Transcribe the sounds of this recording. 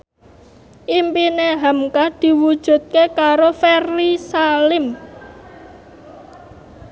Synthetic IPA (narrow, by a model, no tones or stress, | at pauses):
ʔimpineɦamkad̪̥i̤wud̥ʒ̥ṳt̪̚kekaɾofɛrlisalɪm